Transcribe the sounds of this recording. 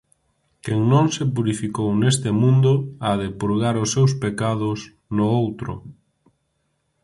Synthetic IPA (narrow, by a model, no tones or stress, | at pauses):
keŋnõŋsepuɾifikownest̪emũnd̪ʊaðepuɾɣaɾʊsːewspekað̞ʊs | nʊowt̪ɾʊ̰